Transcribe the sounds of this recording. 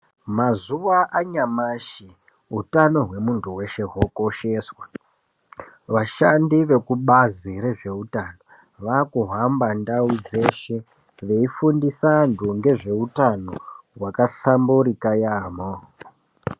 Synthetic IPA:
mazuʋaʔaɲamaːʃi | ɦutano̞ɦwe̞muntuwe̞ʃe̞ɦwoko̞ʃe̞ːswa | ʋaʃandiʋe̞kuɓaziɾe̞ʐe̞utano | ʋaːkuɦambandaud͡ze̞ʃe̞ | ʋe̞ifundisanduŋɡe̞ʐe̞utanoɦwakaɬambuɾikajaːmo

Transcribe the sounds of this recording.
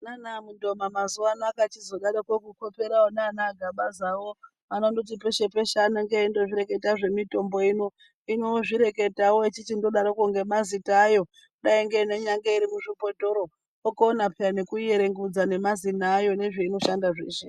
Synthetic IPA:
nanamundo̞mamazuʋanakat͡ʃizo̞ɗaɗokwokuko̞pe̞ɾaonaːnaɡʱaɓazawo | anondot̬ipe̞ʃe̞pe̞ʃanaŋɡeindo̞ʐiɾe̞ke̞taʐe̞mito̞mbo̞ino̞ | ino̞ʐiɾe̞ke̞tawoit͡ʃit͡ʃindo̞ɗaɾokuŋɡe̞mazitaːjo̞ | ɗaiŋɡeine̞ɲaŋɡaiɾimuʐipo̞to̞ɾo | okoːnapʰeanekuje̞ɾe̞ŋɡud͡zane̞mazinaːjo̞ne̞ʐe̞ino̞ʃandaʐḛːʃe

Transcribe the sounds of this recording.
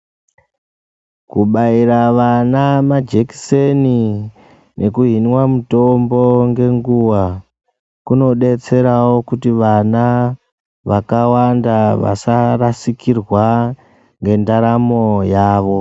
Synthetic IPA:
kuɓairaʋanamad͡ʒeki̥seni | nʔe̞kuɦinwamuto̞mbo̞ŋɡe̞ŋɡuwa | kuno̞ɗe̞t͡se̞ɾawo̞kutiʋana | ʋakawandaʋa̰sarasikirwa | ŋɡe̞ndaɾamo̞jaːʋo̞

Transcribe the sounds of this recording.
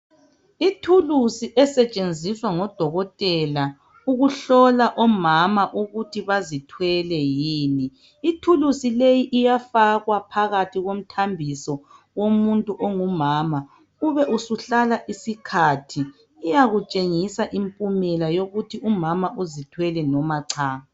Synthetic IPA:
itʰulusiʔɛsɛt͡ʃʼend͡zʱiswaŋɔd̥ʱɔɣɔtʼɛla | uɣuɬɔlaʔɔmamaʔuɣutʰiβazitʰwɛlɛjiːniː | tʰulusilejiʔijafaɣwapʰaɣatʰiɣom̩tʰambʱisɔ | womuntʼuʔɔŋumaːma | uβɛʔusuɬalaʔisikʰatʰiː | jaɣut͡ʃʼeŋisaʔimpʼumɛlajoɣutʰiumamaʔuzitʰwɛlɛnɔmaǀʰaːɣa

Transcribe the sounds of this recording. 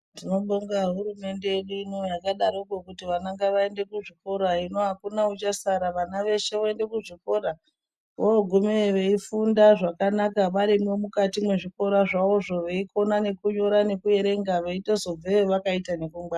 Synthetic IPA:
tino̞ɓoŋɡaɦuɾume̞nde̞jeɗuino̞jakaɗaɾokokutiʋanaŋɡaʋae̞nde̞kuʐiko̞ɾaino̞ɦakunaut͡ʃasaɾaʋanaʋe̞ʃe̞ʋoende̞kuʐiko̞ɾa | ʋoɡʱumeʋe̞ifundaʐakanakaʋaɾimomukatimwe̞ʐiko̞ɾaʐao̞ʐo̞ʋe̞ikʰo̞nane̞kuɲo̞ɾane̞kue̞ɾe̞ŋɡaʋeito̞zo̞b͡veʋakaitane̞kuŋba

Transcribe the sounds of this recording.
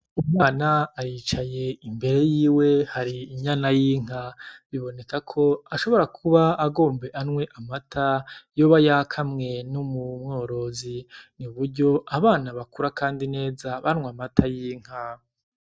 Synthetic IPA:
umŋaːnaːɾit͡ʃaje̞imbe̞ɾe̞jiːwe̞haɾiːɲanajiːŋ̥aβiβo̞ne̞kakʰo̞aʃo̞βo̞ɾakʰuβaːɡo̞ːmbe̞ʔanŋwe̞ʔamatʰajo̞βajakʰamŋe̞numumŋo̞ːɾo̞ziniβuɾɟo̞ʔaβaːnaβakuɾakaːndine̞ːzaβanŋwamatʰajiːŋ̥a

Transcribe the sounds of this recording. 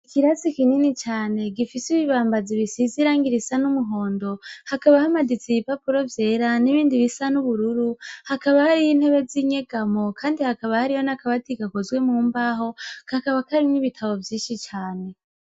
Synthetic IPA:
ikiɾasikininit͡ʃaːne̞ɡifisiβiβaːmbaziβisiziɾaːŋɡiɾisanumuɦo̞ːndo̞hakaβahamadit͡sijipapuɾo̞vje̞ːɾaniβiːndiβisanuβuɾuɾuhakaβahaɾijin̥he̞βe̞ziɲe̞ɡamo̞kʰaːndihakaβahaɾijo̞nakaβatiɡakozwe̞muːmbaːɦo̞kakaβakaɾimniβitʰaβo̞vjiːʃit͡ʃaːne̞

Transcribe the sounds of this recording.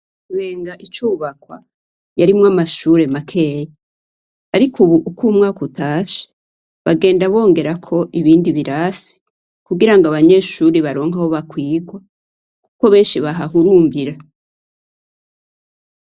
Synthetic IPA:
uβe̞ːŋɡaʔit͡ʃuːβakwa̰ | jaɾimŋamaʃuːɾe̞makʰe̞ːje | aɾikuβuʔukuːmŋaːkutaːʃe̥ | βaɡe̞ːndaβo̞ːŋɡe̞ɾakʰo̞ʔiβiːndiβiɾasi̥ | kuɡiɾaŋɡoaβaɲe̞ːʃuːɾiβaɾo̞ːŋ̥aho̞βakwiːɡwa | kuko̞βe̞ːnʃiβaɦaɦuɾuːmbiɾa

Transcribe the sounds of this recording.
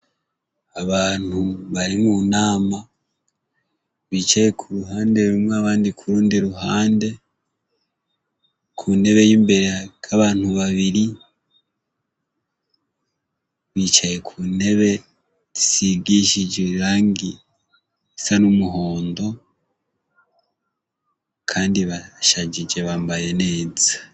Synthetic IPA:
aβaːn̥huβaɾimunaːma | βiːt͡ʃaje̞kʰuɾuɦaːnde̞ɾumŋweaβaːndikʰuɾuːndiɾuɦaːnde̞ | kʰune̞βe̞jiːmbe̞ɾeakʰaβaːn̥huβaβiɾi | βit͡ʃaje̞kʰune̞βe̞ | zi̥siɡiʃid͡ʒeɾaːŋɡi | isanumuɦo̞ːndo̞ | kʰaːndiβaʃad͡ʒid͡ʒe̞βaːmbaje̞ne̞ːz̥ḁ

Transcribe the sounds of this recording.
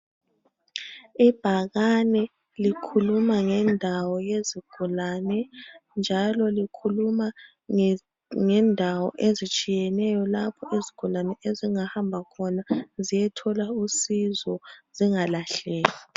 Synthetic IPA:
ib̥ʱaɣanɛ | likʰulumaŋɛndʱawɔjeziɡ̥ʱulaːnɛnd͡ʒʱalɔlikʰuluma | ŋɛndʱawɔ̰ʔezit͡ʃʼijɛnɛjɔlapʰɔʔiziɡ̥ʱulanɛʔeziŋahambʱakʰɔnazijɛtʰɔlausizɔz̥iŋalaɬɛːla

